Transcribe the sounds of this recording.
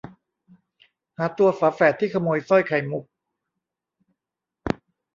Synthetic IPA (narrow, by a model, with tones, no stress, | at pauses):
haː˨˩˦t̪u˧ɐfaː˨˦fɛː˨˩t̪ʰːiː˥˩kʰa˧moː˧jsɔ˥˩jkʰa˨˩jmu˨˩k̚